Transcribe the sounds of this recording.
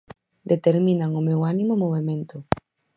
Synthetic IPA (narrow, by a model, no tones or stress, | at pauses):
d̪et̪eɾmĩnaŋʊmewanimomoβemẽnt̪ʊ